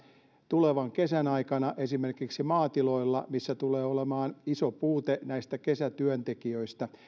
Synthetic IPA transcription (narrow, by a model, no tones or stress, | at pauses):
t̪uleʋɑŋkesænɑikɑnɑʔesimerkiksimɑːt̪iloilːɑmisːæt̪uleːolemɑːnisopuːt̪enæist̪ækesæt̪yønt̪ekiøist̪ɑ